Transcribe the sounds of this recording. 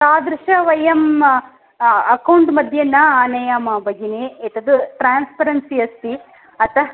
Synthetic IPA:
taːd̪ɾɪʃɐʋɐjɐm | ɐkɐwɳʈmɐd̪ʱjɐnːɐaːnɐjamɐbɐɡineet̪ɐd̪uʈɾaːnspɐɾɐnsiɐst̪i | ɐt̪ɐ

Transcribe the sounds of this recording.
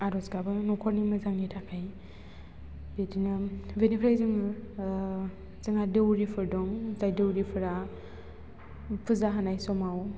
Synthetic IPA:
aɾɔsɡabɯnɔkʰɔɾnimɯzaŋitʰakʰaj | detinɯbenipʰɾajzɯŋ | zɯŋadewɾipʰɯɾdɔŋzajdɯwɾipʰɯɾa | pʰɯzaɦanajsɔmaw

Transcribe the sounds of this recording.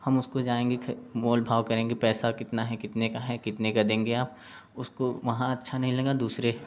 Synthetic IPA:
hɐmʊskod͡ʒaːẽːŋɡekʰmoːlbʱaːʋkɐɾẽːŋɡepɛːsakɪt̪naɦɛkɪt̪nekaɦɛkɪt̪nekad̪ẽːŋɡeaːp̚ | ʊskoʋɐɦãɐtːʃʰanɐɦĩlẽːŋɡad̪uːsɾe

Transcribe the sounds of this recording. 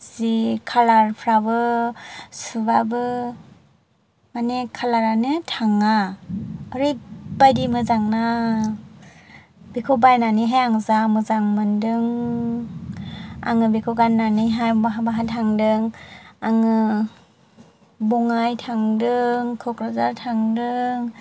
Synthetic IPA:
zikʰalaɾpʰɾabɯ | subabɯ | manekʰalaɾanɯtʰaŋa | ɯɾɯjbajdimɯzaŋna | bikʰobajnanɯjɦajaŋzamɯzaŋmɯndɯŋ | a̰ŋɯbikʰɔɡanːanɯjɦajbaɦabaɦatʰaŋdɯŋaŋɯ | bɔŋajtʰaŋdɯŋkʰɔkɾazaɾtʰaŋdɯŋ

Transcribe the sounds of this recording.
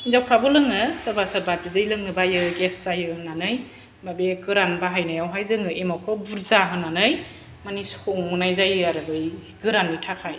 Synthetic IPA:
izawpʰɾabɔlɯŋɯsabasaɾbap̚idɯjlɯŋnɯbajɯɡeszajɯhɯnanɯj | babekɯɾanbaɦajnajawɦajzɯŋɯʔemɔkʰɔbuɾzaɦɯnːanɯj | manisɔŋːunajzajaɾɯbɯjɡɯɾanitʰakʰaj

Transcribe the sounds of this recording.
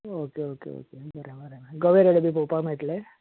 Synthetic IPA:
okeokḛo̰kebʱəɾẽbəɾeɡəʋeɾeɽbʱipopam̤eʈle

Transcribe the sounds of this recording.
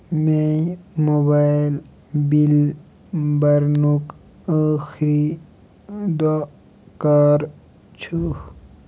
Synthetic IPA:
mẽmoːbaːjl | bil | bɐɾnuk | əːxɾi | d̪ɔ | kaːɾ | t͡ʃʰu

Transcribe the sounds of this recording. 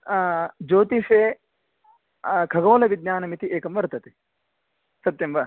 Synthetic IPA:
d͡ʒoːt̪iʂeː | kʰɐɡoːlɐʋid̪njaːnɐmit̪iʔeːkɐmʋɐɾt̪ɐt̪i̥ | sɐt̪jɐmʋɐ

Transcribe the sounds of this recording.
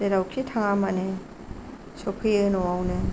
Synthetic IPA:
deɾawkʰitʰaŋamane | sɔpʰɯjɯnɔwawnɯ

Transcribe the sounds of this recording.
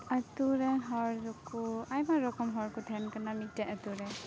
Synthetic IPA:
atuɾɛɦɔɹzɔkuajmaɾɔkɔmɦɔɹkut̪ʰɛnkanamidaatuɾɛ

